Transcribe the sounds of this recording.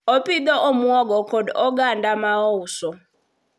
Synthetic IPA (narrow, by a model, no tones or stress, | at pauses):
ɔpid̪ɔʔomuɔɡɔkʰɔdɔɡandamaɔsɔ